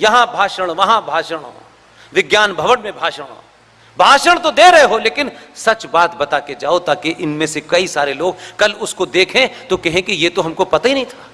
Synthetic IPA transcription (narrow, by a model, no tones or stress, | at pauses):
jɐɦãbʱaːʃəɽ̃ʋɐɦãbʱaːʃəɽ̃ɦo̰ː | ʋɪɡjaːnbʱɐʋəɽmẽbʱaːʃəɽɦo̰ː | bʱaːʃəɽ̃t̪od̪eːɾɐɦeɦoleːkɪnsɐt͡ʃbaːt̪bɐt̪aked͡ʒaːot̪aːkeʔɪnmẽsekɐisaːɾeloːɡ̚kɐlʊskod̪eːkʰẽt̪okɛɦẽkijet̪oɦɐmkopɐt̪aɦinɐɦĩt̪ʰaː